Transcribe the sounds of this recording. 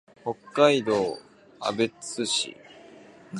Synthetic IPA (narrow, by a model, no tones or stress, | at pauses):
ho̞kːaid̪o̞ː | a̰be̞t͡sɨɕḭ